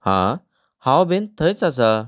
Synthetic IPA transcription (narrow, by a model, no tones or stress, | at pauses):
hã̰ | hawbent̪ʰəjt͡sas̬ə